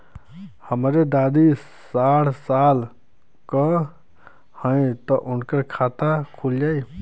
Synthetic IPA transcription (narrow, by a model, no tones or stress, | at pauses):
həmɾed̪aːd̪i | saɽsaːl | kə | hə̃ĩt̪ɔʔʊnkəɾkʰaːt̪akʰuld͡ʒaːi